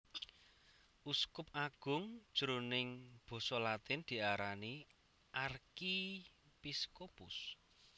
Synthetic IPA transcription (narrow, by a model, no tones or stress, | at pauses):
ʔuskʊp̚aɡ̥ʊ̤ŋd̥ʒ̥əɾonɪŋb̥ɔ̤sɔlat̪ɪnd̪̥i̤aɾani | ʔarki | piskopʊs